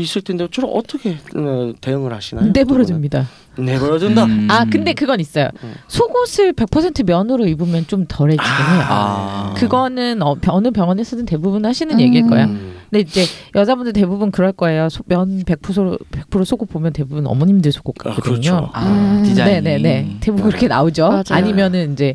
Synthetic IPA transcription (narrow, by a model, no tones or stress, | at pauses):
is͈ɯɭtʰendet͡ɕʰʌɾomʌ̰t͈ʰʌkʰe̞tejɯŋɯɭhaɕʰinane̞bʌɾʌdɯmɲida | neʌɾʌdɯndaakɯnde̞kɯɡʌnis͈ʌjo̰sʰoɡosʰɯɭpe̞k̚pʰʌsʰe̞ntʰɯmjʌnɯɾoibumjʌnt͡ɕ͈omtʌɾe̞t͡ɕ͈iɡɯnejo̰kɯɡʌnɯnʌpjʌnɯpjʌŋʌnɦesʰʌdɯnte̞bubunhaɕʰinɯnje̞ɡiiɭk͈ʌ̰jande̞ind͡ʑe̞jʌd͡ʑabundet̬e̞bubunkɯɾʌɭk͈ʌe̞josʰomjʌnpe̞k̚pʰusʰoɾope̞k̚pʰuɾosʰoɡopomjʌnte̞bubunʌ̰mʌɲimdɯɭsʰoɡ̥ok͈ak͈ʌdɯɲo | ine̞ne̞ne̞te̞buɡiɾʌkʰe̞na̰od͡ʑoaɲimjʌnɯnind͡ʑe̞